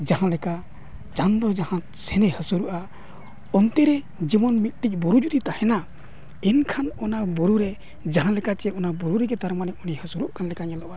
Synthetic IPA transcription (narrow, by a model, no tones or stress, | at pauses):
d͡ʒaɦãlɛka | t͡ʃand̪ɔd͡ʒahã | sɛnɛhəsuɾuʔa | ɔnt̪ɛɾɛ | d͡ʒimɔnmit̪̚ˀʈic̚ˀbɔɾud͡ʒut̪it̪ahɛna | ɛnkʰanɔnabɔɾuɾɛ | d͡ʒaɦãlɛkat͡ʃɛɔnabuɾuɾɛɡɛt̪aɾmanɛɔnihəsuɾuʔkʰanlɛkaɲɛlɔʔʔa